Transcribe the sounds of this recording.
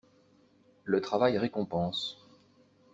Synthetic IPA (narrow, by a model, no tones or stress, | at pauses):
lət̪χavajʁekɔ̃pɑ̃s